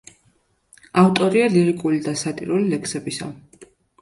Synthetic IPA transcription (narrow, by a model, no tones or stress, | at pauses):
aft̪ʼɔɾialiɾikʼulid̪asat̪ʼḭɾulilɛksɛbisa̰